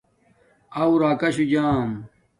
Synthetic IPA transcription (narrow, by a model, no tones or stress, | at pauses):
ɐuɾaːkɐɕud͡ʑaːm